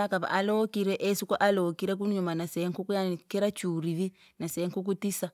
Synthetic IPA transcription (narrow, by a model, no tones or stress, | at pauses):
akaβa̰ʔalɔkiɾɛʔɛsukɔʔalɔkiɾɛk̬unɲumanasɛŋkukujanikɛɾat͡ʃuɾiβi | nasɛŋkuk̬utisa